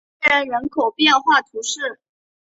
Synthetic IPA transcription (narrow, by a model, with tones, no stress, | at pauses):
ə˥nɻə˧˥nkʰo˨˩ʊpjɛ˥˧nxwa˥˩t̪ʰu˧˥ʂɻ̩˥˩